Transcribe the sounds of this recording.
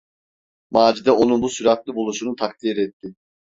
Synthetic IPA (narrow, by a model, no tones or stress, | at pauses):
maːd͡ʒid̪ɛʔo̞nunbusyɾaklˠɯbulˠuʃunut̪ʰak̚t̪ʰiːɾɛt̪ʰːɪ